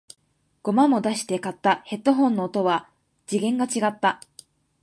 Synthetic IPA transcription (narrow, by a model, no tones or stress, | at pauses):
ɡ̥o̞mamo̞d̪aɕi̥t̪e̞kat̪ːahe̞t̪ːo̞ɦõ̞nːo̞ːt̪o̞βa | d͡ʑiɡẽ̞ŋɡat͡ɕiɡat̪ːa